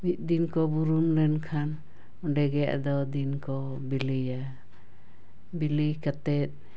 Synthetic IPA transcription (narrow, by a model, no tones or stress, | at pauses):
mit̪̚ˀd̪inkɔbuɾumlɛnkʰan | ɔɖɛɡɛja̰d̪ɔd̪inkɔ | bilija | bilikat̪ɛt̪̚